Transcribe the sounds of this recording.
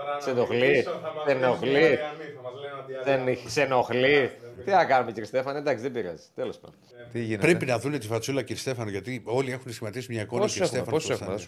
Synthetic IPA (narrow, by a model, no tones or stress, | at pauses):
senoxlisenoxli | ðenisenoxlit̪iθɐkɐnumeciɾist̪e̞fɐnɐend̪ɐksiðebiɾɐ̰zi̥t̪elo̞spɐ̰no | t̪iʝinpɾepinɐðunet̪ifɐt͡sulɐciɾist̪e̞fɐnoʝɐt̪io̞lie̞xunsçimɐt̪isimɲɐkoniiɾsefɐnosesɐ